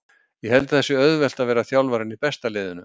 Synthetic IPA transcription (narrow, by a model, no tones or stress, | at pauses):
jɛhɛlt̪ḁθɛsːʏœðvɛl̥t̪aðvɛːɾaθjawlvaːɾɪnipɛst̪alɪːðʏnʏ